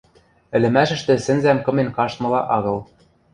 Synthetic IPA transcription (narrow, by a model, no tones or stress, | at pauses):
ɘ̆lɘ̆mæʃɘ̆ʃt̪ɘ̆sɘ̆nzæmkɤ̆menkɑʃt̪mɤ̆lɑʔɑɣɤ̆lˠ